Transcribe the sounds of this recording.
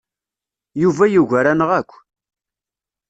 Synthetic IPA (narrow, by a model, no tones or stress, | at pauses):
juvæjuʝæɾænəʁækʷː